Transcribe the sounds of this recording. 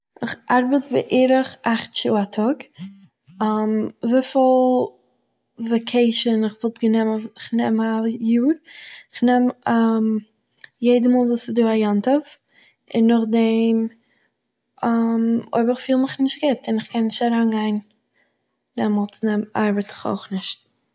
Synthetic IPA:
ɪχʔaɾbətbə̰ʔiːɾəχʔaχtt͡ʃṵːatʰɔɡ | amvɪflˠ | vekʰeɪʃənɪχvɪlˠtɡənɛməɪχnɛmajuːɾɪχnɛmam | jeɪdəmɔːlˠvuːsɪzduːajantəf | ʔɪnːʊχdɛm | ʔamo̰ɪbəɾɪχfiːlˠmɪχnɪʃt̚ɡɪtɪnɪχkɛnːɪʃtaɾanɡaɪn | d̥ɛmɔlˠtnɛma̰ɾbətɪ̥χo̰ʊχnɪʃt̚

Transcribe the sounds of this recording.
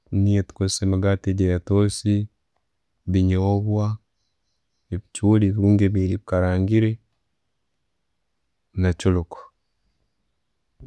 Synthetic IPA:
nietu̥kozisemaɡateɟajatoːsi | βiɲoβwa | eβit͡ʃuːliβiɾuːŋɡeβiliβikaɾaːŋɡiɾe | nat͡ʃuluko̥

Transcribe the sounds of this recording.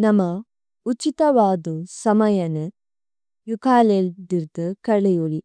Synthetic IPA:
nɐmɐ | ut͡ʃːit̪ɐʋaːd̪usɐmɐjɐnɨ | jukʰaːleld̪iɾt̪ɨkɐɭɐjuɭi

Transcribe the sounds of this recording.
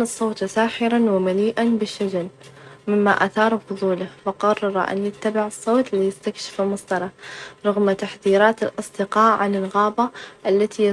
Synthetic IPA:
nɨsˤːoːt̪saːħɪɾanwɪmaliːʔanbɪʃːad͡ʒanmɪmːaʔaθɑːɾˤfʊðˤuːlahwɪqɑrˤːɑɾ̰ˤʔa̰njɪt̪ːabɪʕɨsˤːoːt̪lɪjɪst̪akʃɪ̥fɪlmɑsˤd̪ɑɾˤɑɾˤɑɣmat̪aħðiːɾɑːt̪ɪlʔɑsˤd̪ɪqɑːʕʕanɪlɣaːbaʔalːat̪ʰij

